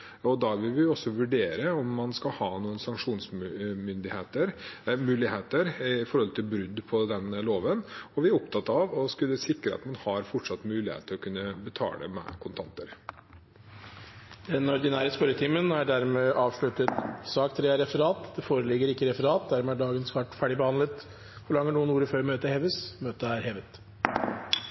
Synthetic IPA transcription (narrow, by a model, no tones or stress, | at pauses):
ɔd̪ɑʋɪlʋɪjʊɔsːɔʋʉɖeːɾəɔmːɑnskɑlhɑːnuːənsɑŋkʂuːnsmʏnd̪ɪheːt̪əɾmʉːlɪheːt̪əɾɪfɔɾhɔlt̪ʰɪlbɾʉd̪ːpʰɔd̪ɛnloːʋənɔʋɪæɾɔpt̪ʰɑt̪ːɑʋɔskʉlːəsɪkːɾəɑ̰t̪mɑnhɑɾfɔʈʂɑt̪ːmʉːlɪhḛːt̪ʰɪlɔkʰʉnːəbət̪ʰɑ̰ːlə̰mɛ̰kʰʊnt̪ʰɑnt̪əɾ | d̪ɛnɔɾd̪ɪnæːɾəspœɾət̪ʰimənæɖæɾmeːʔɑːʋʂɭʉt̪ət̪sɑːkt̪ʰɾeːɑɾɛfəɾɑːt̪d̪ɛfoːɾəlɪɡəɾɪkːəɾɛfəɾɑːt̪̚d̪æɾmɛːæɖɑːɡənsʋɑʈfæɖɪbəhɑnlət̪ | hʊɭɑŋːəɳuːənuːɾəføːɾmøːt̪əɾheːʋəsmøːt̪əæɾheːʋət̪